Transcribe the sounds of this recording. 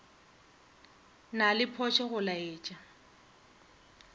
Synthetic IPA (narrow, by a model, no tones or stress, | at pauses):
nalɪpʰɔt͡ʃʰɛɣʊlaeːt͡ʃʼa